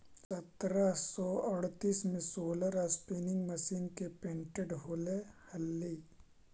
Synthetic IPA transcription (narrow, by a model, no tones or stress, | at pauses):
sɐt̪ɾasɔəɽt̪iːsmẽsoːləɾaspiːnɪ̃ŋɡməʃiːnkepẽːɳʈeɖɦoːlehɐlːiː